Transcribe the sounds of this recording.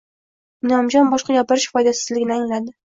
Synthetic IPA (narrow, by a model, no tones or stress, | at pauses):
nɒmd͡ʒɒnbɒʃqɑɡʲapɪɾɪʃfɒjd̪asɪ̥zlɪɡʲɪnɪaŋlad̪ɪ